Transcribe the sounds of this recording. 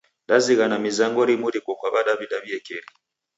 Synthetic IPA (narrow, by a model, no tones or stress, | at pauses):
ɗaziɣanamizaŋɡɔɾimuɾikɔkwaβaɗaβidaβiɛkɛɾi